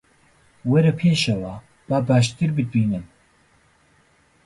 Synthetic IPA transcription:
wɛɾɛpʰeːʃɐwaː | b̥aːbaːʃt̪ɨɾbɨd̪̚biːnɨm

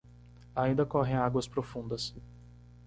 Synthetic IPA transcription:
aĩnd̪ɐkɔɦẽj̃aɡwɐspɾofũnd̪ɐs

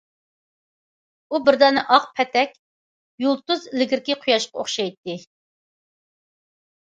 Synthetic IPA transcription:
ubɪɾd̪ɛnɨʔɑqpʰɛt̪ʰɛkʲ | julˠt̪uzlɪɡʲɪɾkʲɪqʰʊjɑʃqɑoχʃɑjt̪ːɪ

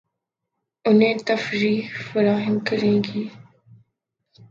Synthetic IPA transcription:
ʊnẽːt̪əfɾiːɦfəɾaːɦɪmkəɾẽːɡiː

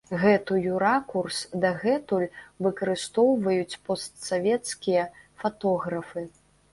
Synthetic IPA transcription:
ɣɛt̪ɨjuɾakursd̪ɐɣɛt̪ulʲvɨkɐɾɨst̪ɔwvɐjut͡sʲpɔst̪savʲɛt̪skʲijɐfat̪ɔɣɾɐfɨ

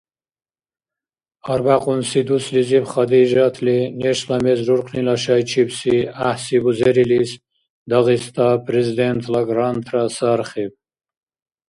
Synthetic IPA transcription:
aɾbaqʼunsid̪uslizipχad̪iʒat̪ʰlinɛʃlamɛzɾuɾqʰnilaʃajt͡ʃʰibsiahsibuzɛɾilis | d̪aʁist̪ʰapʼɾɛzid̪ɛnt̪ʰlaɡɾant̪ʰrasaɾχib̚

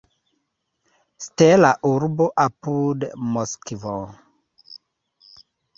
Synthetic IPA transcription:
stelaʔuɾboʔapudmoskvo

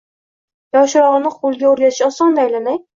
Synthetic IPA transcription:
jɒwʃɾɒʁɨnɪqolˠɡʲaoɾjʲat̪ɪ̥ʃɒsɒnd̪ajlanaj

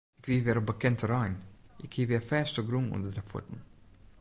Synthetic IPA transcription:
ɪkvivɛɾəbəkɛntəɾajnɪkhiviafɛːstəɡɾuŋṵnd̪ədɛfʊ̰tn̩

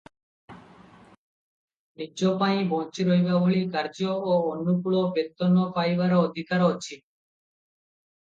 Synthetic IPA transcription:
niopaĩbɔnt͡ɕiɾojbaboɭikaɾd͡ʑooonːupuɭobet̪ːonːopajbaɾod̪ʱikaɾot͡ɕʰi

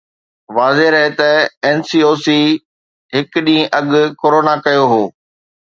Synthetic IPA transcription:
ʋaːzeɾɐɦet̪ɐɛːnsiːoːsiː | ɦɪkɗĩːʔɐɠʊkoːɾoːnakɐjoɦoː

